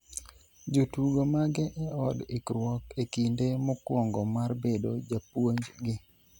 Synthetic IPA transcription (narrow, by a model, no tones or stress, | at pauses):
d͡ʒotuɡomaɡɛʔɛɔdɪkɾwɔkekindemɔkwɔŋɡɔmarbedo̰d͡ʒapwoɲd͡ʒɡɪ